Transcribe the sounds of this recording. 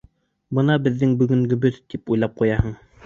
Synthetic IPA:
bɤnɑbɘ̆ðːɘŋbɵ̆ɡɵ̆ŋɡɵ̆bɘðt̪ipujlˠɑp̚qujɑhɤɴ

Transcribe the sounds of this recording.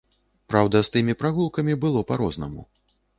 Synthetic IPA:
pɾawd̪ɐst̪ɨmʲipɾaɣulˠkɐmʲibɨlˠɔpaɾɔznɐ̰mṵ

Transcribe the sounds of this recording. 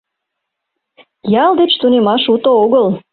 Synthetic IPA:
jɑld̪et͡ɕt̪unemɑʃut̪ooɣəl

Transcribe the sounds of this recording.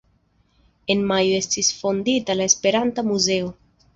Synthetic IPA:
e̞nmajoe̞stisfond̪it̪alaespe̞ɾant̪amuze̞o

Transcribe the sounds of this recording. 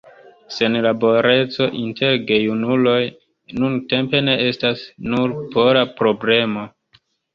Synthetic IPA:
se̞nlabo̞ɾe̞t͡so̞ʔintʰe̞ɾɡe̞junulo̞j | nunte̞mpe̞ne̞ʔe̞stasnuɾpo̞ɾapɾo̞ble̞mo

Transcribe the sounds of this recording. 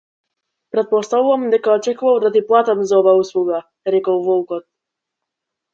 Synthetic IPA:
pɾɛt̪̚pɔst̪avuvamd̪ɛkaɔt͡ʃɛkuvalˠd̪at̪̬iplˠat̪amzaɔvaːuslˠuɡa | ɾɛkɔwvɔukɔt̪̚

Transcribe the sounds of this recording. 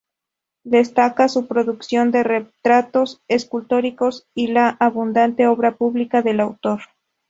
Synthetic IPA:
d̪e̞st̪akasupɾo̞ðuksjo̞nd̪e̞ret̪ɾat̪o̞seskult̪o̞ɾiko̞silaʔːβund̪ant̪eo̞βɾapuβlikaðe̞lawt̪o̞ɾ

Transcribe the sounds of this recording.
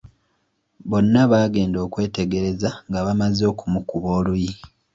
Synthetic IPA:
βo̞nːaβaːɡe̞ːndo̞ːkwe̞ːte̞ɡe̞ɾe̞zaŋɡaβamazo̞ːkumukuβo̞ːluji

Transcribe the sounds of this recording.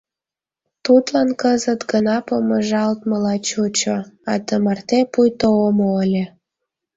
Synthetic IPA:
t̪ut̪lɑnkəzət̪ɡənɑpoməʒɑlt̪̚məlɑt͡ɕut͡ɕoɑd̪əmɑrt̪epujt̪oomoəlʲe

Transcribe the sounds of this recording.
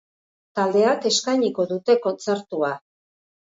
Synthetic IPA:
t̪ald̪e̞ake̞skajɲiko̞ðut̪e̞ko̞nt͡se̞ɾt̪ua

